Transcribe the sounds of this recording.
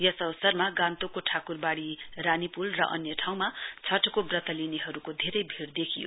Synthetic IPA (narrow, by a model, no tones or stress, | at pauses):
jʌsʌbʌsʌrmaɡãnt̪okoʈʰakurbaɽiranipulrʌ̰ʔʌ̰njʌʈʰaw̃mat͡sʰʌʈkobrʌt̪ʌlineɦʌɾukod̪ʱeɾʌjbʱiɽd̪ekʰijo̰